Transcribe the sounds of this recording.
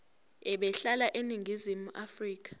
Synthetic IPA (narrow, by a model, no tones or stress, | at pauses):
ɛɓɛɬalaʔeniŋɡʱizimuʔafriːk̬ʼḁ